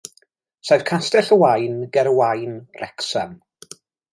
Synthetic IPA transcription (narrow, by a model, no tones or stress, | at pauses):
sajv̥kʰastɛɬəwajnɡɛɾəwajnrʔɛksan